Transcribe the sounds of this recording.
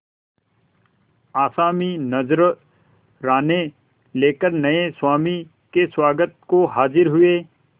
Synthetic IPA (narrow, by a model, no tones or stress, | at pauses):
aːsaːminɐzɾ | ɾaːne | leːkəɾnɐeswaːmi | keswaːɡət̪̚koɦaːzɪɾɦʊeː